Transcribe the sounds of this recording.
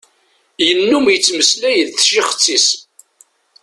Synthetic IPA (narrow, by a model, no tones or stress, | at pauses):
jənːumjət͡sːməslæjəðθʃiχə̥t͡sːis